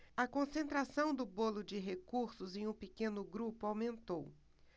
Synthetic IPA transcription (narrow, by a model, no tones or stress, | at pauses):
ɐkõsẽnt̪ɾasɐ̃w̃d̪ʊbolʊd͡ʒɪɦekuɾsʊzẽj̃ũpekẽnʊɡɾupʊawmẽnt̪ow